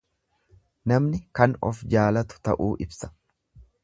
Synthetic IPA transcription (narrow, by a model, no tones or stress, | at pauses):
nɐmnɪkɐnɔ̰fd͡ʒaːlɐt̪ʊ̥t̪ɐ̰ʔuːʔɪbsɐ̥